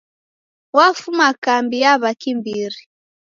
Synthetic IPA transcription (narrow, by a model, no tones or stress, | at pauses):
wafumakambiaβakimbiɾi